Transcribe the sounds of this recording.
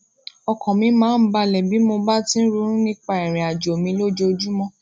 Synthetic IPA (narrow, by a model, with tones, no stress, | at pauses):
ɔ˨kɔ̃˨mĩ˧mãː˨˦n̩˨˦ba˧lɛ˨bi˨˦mo˧ba˦tĩ˦ɾu˧˦ɾ̃ũ˦nĩ˦k͡pa˧˨ɛ˨ɾ̃ɛ̃˨a˨d͡ʒo˨mĩ˧˦lo˦d͡ʒo˧d͡ʒu˦mɔ̃˦